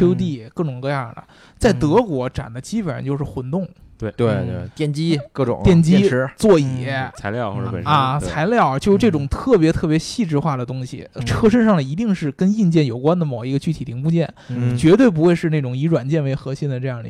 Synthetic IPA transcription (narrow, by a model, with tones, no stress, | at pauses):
jo˥ʊt̪̬i˥˩kɤ˥˩ʈ͡ʂʊ˨˩ŋkɤ˥˧ja˥˩d̪ə̰˩ | t͡sa˥˩ɪt̪ɤ˧˥kwɔ˧˥ʈ͡ʂa̰˨˩nd̪ə˦t͡ɕi˥pə˨˩nɻ̰t͡ɕjo˥˧ʂɻ̩˥˩xwʊ˧˥nt̪ʊ˥˩ŋwe˥˧˩t̪we˥˧˩t̪jɛ˥˩nt͡ɕi˥kɤ˥˩ʈ͡ʂʊ̰˨˩˦ŋt̪jɛ˥˩nt͡ɕi˥ɻt͡swɔ˥˩i˨˩˦t͡sʰa˧ɪljɑ˥˧xɔ˥˧˩ə˧˨˩a˧t͡sʰa˧˥ɪljɑ˥˩ʊt͡ɕjo˥˧ʂ̩˧ʈ͡ʂɤ˥˩ʈ͡ʂʊ˨˩ŋt̪ʰɤ˥˩p̬jɛ˧˥t̪ʰɤ˥˩p̬jɛ˧˥ɕi˥˧ʈ͡ʂɻ̩˥˧xwa˥˩d̪ə˩t̪ʊ˥ŋɕḭ˨˩ʈ͡ʂʰɤ˥˧ʂ̬ə˥nʂɑ˥˩ŋd̪ə˩i˧˥t̪i˥˧ŋʂɻ̩˥˩kə˥ni˥˧nt͡ɕjɛ˥˩njo˨˩ʊkwa˥nd̪ə˩mo˨˩ʊi˧˥ɡə˧t͡ɕy˥˩i˨˩i˧˥ŋpu˥˧t͡ɕjɛ˥˩nt͡ɕɥɛ˧˥t̪̬we˥˩ɪp̬u˧˥xwe˥˧ɪʂɻ̩˥˧ne˥˩ʈ͡ʂʊ˨˩ŋi˧˥ʈ͡ʂwa˨˩nt͡ɕjɛ˥˩nʋe˧˥ɪxɤ˧˥ɕi˥˧nd̪ə˩ʈ͡ʂɤ˥˧jɑ˥˩ŋḭ˧˩